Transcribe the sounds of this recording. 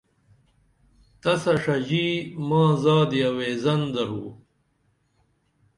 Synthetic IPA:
t̪ɐsɐʂɐd͡ʑiːmãːzaːd̪iɐweːzɐnd̪ɐɾṵː

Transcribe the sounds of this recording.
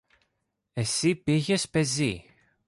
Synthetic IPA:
e̞sipiçespe̞zi

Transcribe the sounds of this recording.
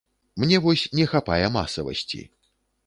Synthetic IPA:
mnʲɛvɔsʲnʲɛxapa̰jɛma̰sɐvɐ̰sʲt͡sʲḭ

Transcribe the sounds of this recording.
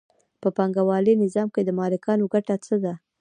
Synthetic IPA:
pəpaŋɡawɑlinɪzɑmked̪əmɑlɪkɑnoɡaʈat͡səd̪a

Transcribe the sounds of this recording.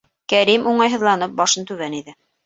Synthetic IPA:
kæɾimuɴɑjɦɤ̆ðlˠɑnɤp̚bɑʃɤnt̪ʉβæniðɘ

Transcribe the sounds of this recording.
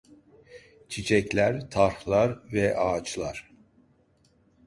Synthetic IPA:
t͡ʃʰit͡ʃʰɛclʲæɾt̪ʰaɾxlˠaɾvɛʔaːt͡ʃʰlˠaɾ̥

